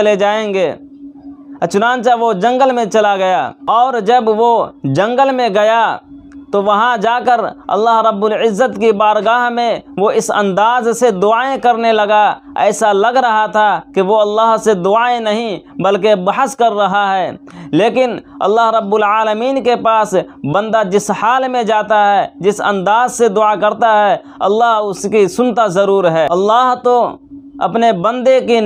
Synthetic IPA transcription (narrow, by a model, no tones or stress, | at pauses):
ɐled͡ʒaːẽːŋɡeː | t͡ʃʊnãːnt͡ʃaʋod͡ʒɐ̃ŋɡəlmẽt͡ʃɐlaɡɐja̰ɔːɾd͡ʒəbʋod͡ʒɐ̃ŋɡəlmẽɡɐjat̪oʋɐɦãd͡ʒaːkəɾɐ̰lːaːɦɾɐbːʊlɪzːət̪kibaːɾɡaːɦmẽʋoɪsɐ̰̃nd̪aːzsed̪ʊaːẽkɐɾnelɐɡa | ɛ̰ːsalɐɡɾɐɦat̪ʰakeʋoɐlːaːɦsed̪ʊaːẽnəɦĩbəlkebɐɦəskəɾːɐɦaɦɛː | leːkɪnɐ̰lːaːɦɾəbːʊlaːləmiːnkepaːsbə̃nd̪ad͡ʒɪshaːlmẽd͡ʒaːt̪aɦɛd͡ʒɪsə̰̃nd̪aːzsed̪ʊakəɾt̪aɦɛ | ɐ̰lːaːɦʊskisʊnt̪azəɾuːɾɦɛːɐlːaːɦt̪oɐ̰pnebə̃nd̪eki